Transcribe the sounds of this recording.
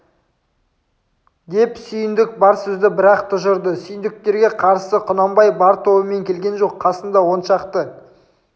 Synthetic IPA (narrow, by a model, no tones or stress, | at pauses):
d̪e̞psʏjɪnd̪ɪk̚bɑɾsʏzd̪ɪbɪɾɑqt̪ʰʊʒʊɾd̪əsʏjɪnd̪ɪk̚t̪e̞ɾɡʲe̞qʰɑɾsəqʰʊnɑmbɑjbɑɾt̪ʰo̞bəme̞ŋkʲʰe̞lɡʲe̞nʒo̞qʰːɑsənd̪ɑwo̞nʃɑqt̪ə